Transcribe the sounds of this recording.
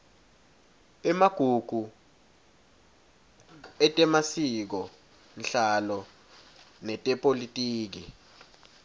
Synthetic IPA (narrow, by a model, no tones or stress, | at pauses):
ɛmaɡ̥ʱuɡ̥ʱu | ɛtʼɛmasik̬ɔ | nɬalɔ | nɛtʼɛpʼolitʼiːk̬i